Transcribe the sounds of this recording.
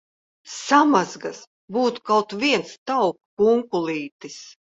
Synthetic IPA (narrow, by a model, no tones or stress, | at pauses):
samazɡas | buːt̪u̥kawt̪vʲiɛnst̪awkːuŋkulˠiːt̪is